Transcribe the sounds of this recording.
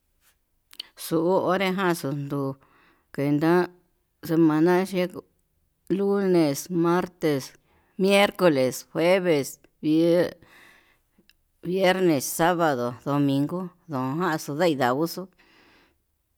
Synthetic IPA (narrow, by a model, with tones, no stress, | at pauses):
su˨ʔu˦o˦ɾe˦ɦã˦˧su˧nd̪u˧ | ke˨nd̪ã˦ | se˧mã˧nã˦ʃe˦ | lu˦nẽ˨smã˦ɾt̪e˨s | mje˦ɾko˧le˨shwe˦βe˨s | βi˧˦ | βje˦ɾnẽ˨sːa˦βa˨ðo˨ðo˨˧mĩ˧ŋɡo˦ðõ˨˧ɦã˦ʔsu˧ða˦i˧ða˨βu˦su˦